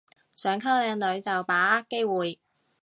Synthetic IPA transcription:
sœː˨˥ŋkʰɐ˥wlɛː˧ŋlɵ˨˧ɥt͡sɐ˨wpaː˨˥aː˥kːe˥jwuː˨j

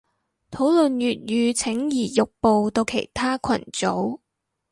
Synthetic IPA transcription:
t̪ʰo˨˥wlɵ˨njyː˨t̚jyː˨˧t͡sʰɪ˨˥ŋjiː˨˩jʊ˨k̚po˨wt̪o˧wkʰe˨˩jt̪ʰaː˥kʰɐ̰˨˩nt͡so˨˥w

